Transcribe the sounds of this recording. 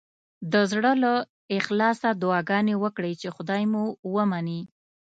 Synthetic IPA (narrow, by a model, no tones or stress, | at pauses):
d̪əzɽəla | ɪxlɑsad̪ʊɑɡɑnewəkɽəjt͡ʃexʊd̪ɑjmuwəmani